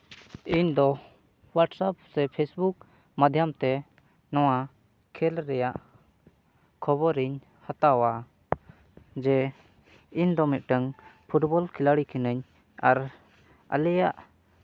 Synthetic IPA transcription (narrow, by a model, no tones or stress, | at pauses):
iɲd̪ɔ | waʈsap̚sɛpʰesbuk̚ | mad̪ʱjamt̪ɛ | nɔw̃a | kʰɛlɾɛjaʔ | kʰɔbɔɾiɲ | hat̪awa | d͡ʒɛ | iɲd̪ɔmit̪̚ʈəŋpʰuʈbɔlkʰilaɽikʰɛnəɲ | aɾ | ə̰lɛjaʔ